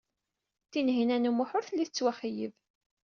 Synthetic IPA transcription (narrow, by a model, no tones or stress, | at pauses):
θinɦinænumʊħʊɾθəlːiθət͡sːwæχijə̰v